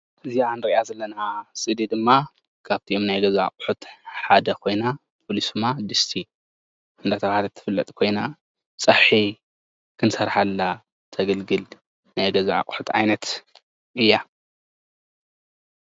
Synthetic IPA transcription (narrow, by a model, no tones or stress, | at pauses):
ʔɨzianɾiʔazɐlːɐnasʼɨd̪id̪ɨmːa | kʰaβt̪ʰiʔomnajɡɐzaʕa̰kʼħut̪ħad̪ɐkʰo̞jna | pʰolisɨmad̪ɨst̪ʰi | ʔɨnd̪at̪ʰɐfhalɐt̪ʰːɨ̥fɨlːɐ̰t̪ʼkʰo̞jna | sʼɐħħi | kʰɨnsɐɾħalːa | t̪ʰɐɡɐlɡɨl | najɡɐzaʕa̰kʼħut̪ʕa̰jnɐt̪ | ʔɨjːa